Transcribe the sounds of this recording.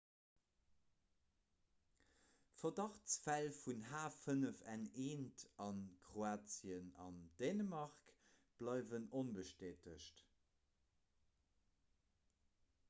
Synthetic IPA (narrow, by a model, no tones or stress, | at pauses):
fɐdɑχt͡sfælfunɦaːfənəfæneːntɑnkʁoaːt͡siənɑnd̥eːnəmɑʁk | b̥lɑɪvənonbəʃteːtəʃt